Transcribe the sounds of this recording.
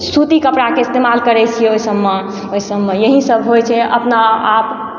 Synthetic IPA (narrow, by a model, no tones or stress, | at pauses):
sut̪ikəpɽakeɪst̪emalkəɾɛt͡ʃʰijɛoisəbːe | oisəbːejəɦisəbɦojt͡ʃʰɛʔə̰pnaap